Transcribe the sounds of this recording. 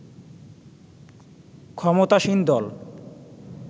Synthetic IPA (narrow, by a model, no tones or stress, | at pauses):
kʰɔmot̪aʃind̪ɔl